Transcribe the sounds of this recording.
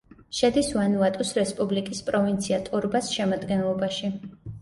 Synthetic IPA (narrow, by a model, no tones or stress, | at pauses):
ʃɛd̪isvanuat̪ʼusɾɛspʼublikʼispʼɾɔvint̪sʰiat̪ʼuɾbasʃɛmad̪ɡɛnlˠɔbaʃi